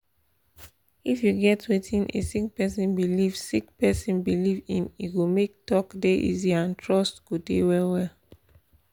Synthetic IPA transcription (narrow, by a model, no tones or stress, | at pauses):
ifjuɡɛtwetʰĩnḛsik̚pɛsĩnbilivsikpɛsĩnbilivḭ̃miɡomek̚tɔkdeʔḭziãntʰɹɔstɡ̥odḛwɛlwɛl